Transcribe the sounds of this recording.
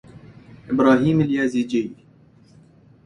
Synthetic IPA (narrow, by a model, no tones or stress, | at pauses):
ɪbɾɑːɦiːmɪljaːziːd͡ʒeji